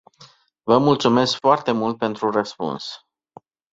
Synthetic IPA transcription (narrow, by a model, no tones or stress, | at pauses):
vəmult̪sume̞skfoart̪e̞mult̪̚pe̞nt̪ɾurəspṵns